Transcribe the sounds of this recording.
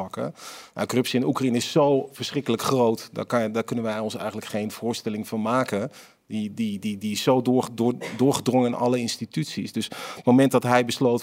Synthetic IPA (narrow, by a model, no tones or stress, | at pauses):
ɑkə̰ja̰kɔrɵpsiɛnukrainəɪsːowv̥əɹsrɪkələkχrowtda̰kdaːɹkɵnənʋɛjɔnsɛ̰jχənləkχejnv̥ʊːɹstɛlɪŋvɑnmaːkə | didididiɪsːowːdʊːɹχədrɔŋəɪnʔɑ̰ləɪnstitytsisdɵsətmomɛnt̚dɑtɦɛjbəslowt